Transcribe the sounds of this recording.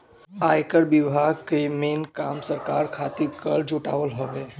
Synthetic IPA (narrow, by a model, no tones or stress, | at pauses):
aːjkəɽbɪbʱaːɡkemeːnkaːmsəɾkaːɾkʰaːt̪ikəɭd͡ʒʊʈa̰ːʋəlɦoʋeː